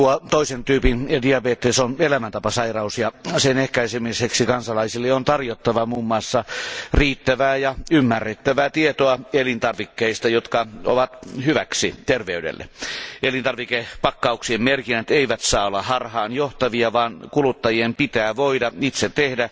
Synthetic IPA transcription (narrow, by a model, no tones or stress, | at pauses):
uot̪oisent̪yːpindiɑbeːt̪ːesonelæmænt̪ɑpɑsɑirɑusjɑsenehkæisemiseksikɑnsɑlɑisilːeont̪ɑrjot̪ːɑʋɑmuːmːɑːsːɑriːt̪ːæʋæːjɑymːærːet̪ːæʋæːt̪iet̪oɑelint̪ɑrʋikːeist̪ɑjot̪kɑo̰ʋɑt̪hyʋæksḭt̪erʋeydḛlːḛʔelint̪ɑrʋikepɑkːɑuksiemmerkinːæt̪eiʋæt̪sɑːolːɑhɑrhɑːnjoht̪ɑʋiɑʋɑːnkulut̪ːɑjiempit̪æːʋoidɑit̪set̪ehdæ